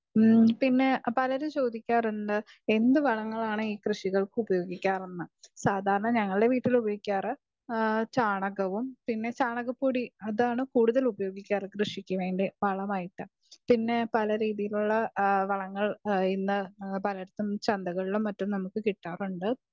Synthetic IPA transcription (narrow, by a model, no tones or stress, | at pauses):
pinːe̞pɐlɐɾumt͡ɕo̞ːd̪ʱikʲːaːruɳɖɨ | e̞nd̪ɨʋɐɭɐŋːɐɭaːɳɨiːkrɨʂiɣɐɭkɨubɐjo̞ːɡikʲːaːrunːɨsaːd̪ʱaːɾɐɳɐɲɐŋːɐɭɨɽe̞ʋiːʈːilubɐjoɡikʲːaːrɨ | t͡ɕaːɳɐɣɐʋumpinːe̞t͡ɕaːɳɐɣɐpːoːɽiɐðaːɳɨkuːɽuðɐlubɐjo̞ːɡikʲːaːrɨkrɨʂikʲːuʋe̞ːɳɖiʋɐɭɐmaːjiʈːɨ | pinːe̞pɐlɐɾiːðijiluɭːɐʋɐɭɐŋːɐɭinːɨpɐlɐɽɐt̪ːumt͡ɕɐnd̪ɐɣɐɭilumːɐtːumnɐmukːɨkiʈːaːruɳɖɨ